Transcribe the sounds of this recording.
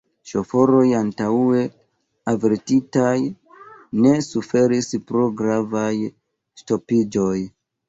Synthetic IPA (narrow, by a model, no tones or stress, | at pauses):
ʃo̞fo̞ɾo̞jantaue̞ | aveɾtitaj | ne̞sufe̞ɾispɾoɡɾavaj | sto̞pid͡ʒo̞j